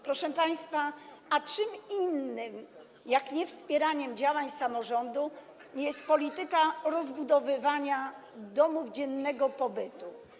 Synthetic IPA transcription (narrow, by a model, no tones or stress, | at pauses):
pɾɔʂɛpaj̃st̪faat͡ʂɘminːɘm | jakɲɛfspʲjɛɾaɲɛmd͡ʑawaɲsamɔʐɔnd̪u | ɲjɛst̪̚pɔlʲit̪ɘkaɾɔzbud̪ɔvɘvaɲad̪ɔmuvd͡ʑɛnːɛɡɔpɔbɘt̪u